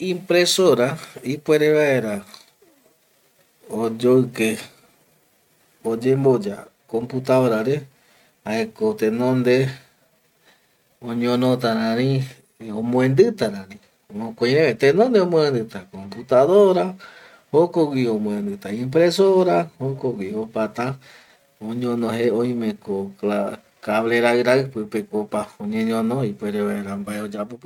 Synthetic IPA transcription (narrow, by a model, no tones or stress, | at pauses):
ĩmpɾesoɾaipweɾeβae̞ɾa | od͡ʒoɨke | od͡ʒembo̞d͡ʒa̰ | kõ̞mput̪aoɾaɾe̞ | haekot̪ẽnõnd̪e | õɲõnot̪aɾãɾĩ | õmõẽnd̪ɨt̪aɾãnĩ | õkʷẽɾẽet̪ẽnõnd̪eõmõend̪ɨt̪akomput̪aðoɾa | hokoɡʷwiõmõẽnd̪ɨt̪aĩmpɾesoɾahokoɡwʷiopat̪a | õɲõnõɦeõj̃mẽkoa | kaβleɾaɨɾaɨpɨpekopaoɲẽɲõnõipweɾeβaeɾambaeod͡ʒapop